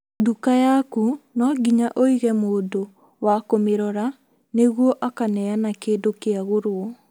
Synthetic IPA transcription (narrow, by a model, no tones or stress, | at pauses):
dukajakunɔɡiɲaʔoiɣɛmoːdo | wakomeɾɔɾa | neɣwɔʔakanɛanakeːdokeaɣoɾwɔ